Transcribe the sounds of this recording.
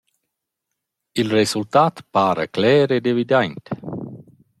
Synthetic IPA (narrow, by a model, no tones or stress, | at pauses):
ilresult̪aːt̪paːɾə̰klɛːɾed̪evid̪ɛnt̪e